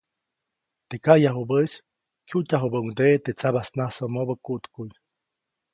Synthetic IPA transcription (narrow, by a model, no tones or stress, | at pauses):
t̪ekajaɦubəs | kʲjutʲaɦubəuŋd̪eʔt̪et͡sabasnasomobəkuʔt̪kuj